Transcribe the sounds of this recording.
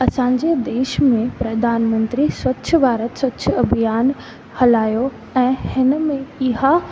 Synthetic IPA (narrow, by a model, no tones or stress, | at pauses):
ɐsãːɲd͡ʑed̪eːʃmẽpɾɐd̪ʱaːnmə̃nt̪ɾiswɐtːɕʰə̆bʱaːɾət̪swɐtːɕʰɐbʱijaːn | hɐlaːjo | ɛ̃ːhɪnə̆mẽɪɦa